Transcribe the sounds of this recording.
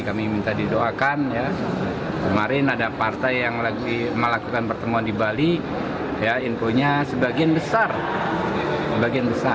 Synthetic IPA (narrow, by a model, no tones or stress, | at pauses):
kamimint̪adidoakanja | kəmaɾɪnadapart̪ajːaŋlaɡiməlakukanpərt̪əmuandibali | jainfoɲasəbaɡianbəsar | səbaɡianbəsa